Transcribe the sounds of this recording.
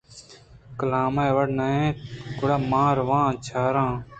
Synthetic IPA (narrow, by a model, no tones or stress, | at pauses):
kəlãːmaːʋɐɽnaẽːkʊɽaːmãːɾʋãːt͡ʃʰaːɾãː